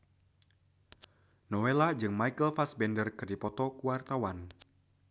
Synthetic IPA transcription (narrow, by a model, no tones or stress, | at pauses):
nɔwelad͡ʒɨŋmajkəlfasbɛndərkɨrdipɔt̪ɔkuwart̪awan